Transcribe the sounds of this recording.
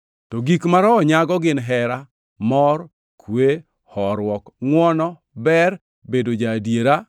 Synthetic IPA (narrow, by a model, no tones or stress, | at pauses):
tɔɡikmaɾɔːɲaɡɔɡɪnɦɛɾa | mɔr | kʰwe | hɔɾwɔkŋwɔnɔ | bɛr | bedod͡ʒadjeɾa